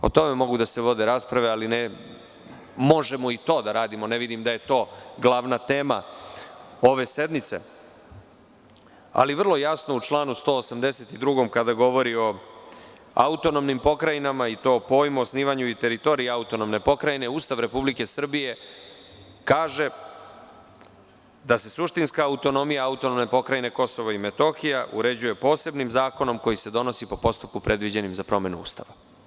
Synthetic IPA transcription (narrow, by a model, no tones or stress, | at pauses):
o̞̰t̪o̞me̞mo̞ɡud̪aseʋo̞d̪e̞ɾaːspɾaʋealine | mo̞ʒe̞mo̞it̪o̞ːd̪aɾaːd̪imo̞ne̞ʋid̪imd̪aje̞t̪o̞ːɡlˠaʋnat̪e̞ːma̰ | o̞ʋe̞se̞d̪mit̪se̞̰ | a̰liʋr̩lˠo̞jasno̞ut͡ʃlˠaːnust̪o̞ːsamd̪e̞se̞t̪id̪ɾuɡo̞mkad̪aɡo̞ʋo̞ɾio̞ | a̰ut̪o̞nomnimpo̞kɾajinamait̪o̞ːpo̞ːjmuosniːʋaɲuit̪e̞ɾit̪o̞ːɾieaut̪o̞nomne̞po̞kɾajine̞uːst̪aʋɾe̞publike̞sr̩bije̞ | kaːʒe̞ | d̪ase̞suʃt̪inskaːut̪o̞no̞mijaaut̪onomne̞po̞kɾajine̞ko̞so̞ʋaime̞t̪o̞xijaʔṵɾe̞d͡ʑuje̞po̞ːse̞bnimzaːko̞no̞mko̞jise̞d̪o̞no̞sipo̞po̞st̪up̚kupɾe̞d̪ʋid͡ʑe̞nimzapɾo̞me̞nuṵːst̪a̰ʋa